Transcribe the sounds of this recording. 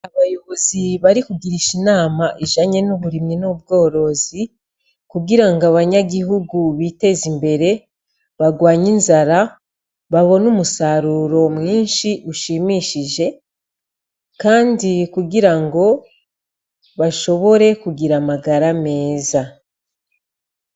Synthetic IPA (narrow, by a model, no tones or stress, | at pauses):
aβajo̞βoziβaɾikuɡiɾiʃinaːmaʔiʒaɲe̞nuβuɾiminobɡo̞ːɾo̞zi | kuɡiɾaŋɡoaβaɲaɡiɦuɡuβite̞ːzimbe̞ɾe̞ | βaɡwaːɲinzaɾa | βaβo̞numusaɾuːɾo̞mŋiːnʃiʔuʃimiʃiʒe̞ | kaːndikuɡiɾaŋɡo̞ | βaʃo̞βo̞ɾe̞kuɡiɾamaɡaɾame̞ːza